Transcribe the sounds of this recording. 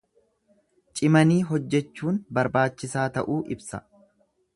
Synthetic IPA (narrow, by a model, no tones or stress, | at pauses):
t͡ʃʼɪmɐniːɦɔd͡ʒːɛt͡ʃːuːnbɐɾbaːt͡ʃːɪsaːt̪ɐʔuːʔɪbsɐ̰